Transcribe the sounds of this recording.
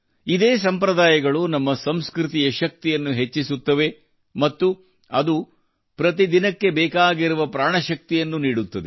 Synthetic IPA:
id̪eːs̬ɐmpɾɐd̪aːjɐɡɐɭunɐmːɐsɐmskɾit̪ijɐʃɐk̚t̪ijɐnːuɦe̞t͡ʃːisut̪ːɐʋe̞ | mɐt̪ːu | ɐd̪u | pɾɐt̪id̪inɐkːe̞bɛːkaːɡiɾuʋɐpɾaːɳɐʃɐk̚t̪ijɐnːuniːɽut̪ːɐd̪e

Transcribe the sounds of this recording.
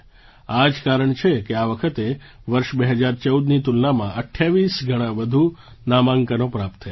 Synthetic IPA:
ad͡ʒkaɾəɳt͡ʃʰekeaʋəkʰət̪e | ʋəɾʃbeɦəd͡ʒaɾt͡ʃəud̪nit̪ulnamãʔəʈʰːjaʋisɡʱəɽ̃ãʋəd̪ʱu | namãŋkanopɾap̚t̪ʰːə

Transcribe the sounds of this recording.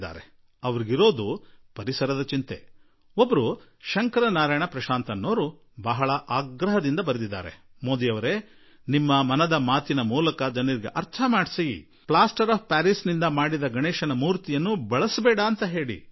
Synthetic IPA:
d̪a̰ːɾe | ɐʋɐɾiɡiɾo̞ːd̪upɐɾisɐɾɐd̪ɐt͡ʃint̪e̞̰ | obːɐɾuʃɐŋkɐɾɐnaːɾaːjɐɳɐpɾɐʃaːnt̪ɐnːoːɾu | bɐɦɐɭɐʔaːɡɾɐɦɐd̪ind̪ɐbɐɾed̪id̪ːa̰ːɾemoːd̪ijɐʋɐɾe̞ | nimːɐmɐnɐd̪ɐmaːt̪inɐmuːlɐkɐd͡ʒɐnɐɾiɡeʔɐɾt̪ʰɐmaːɽsijḭ | pɭaːsʈɐɾaːp̚paːɾisnind̪ɐmaːɽid̪ɐɡɐɳɛːʃɐnɐmuːɾt̪ijɐnːubɐɭɐsbɛːɽɐːnt̪ɐɦe̞ːɽḭ

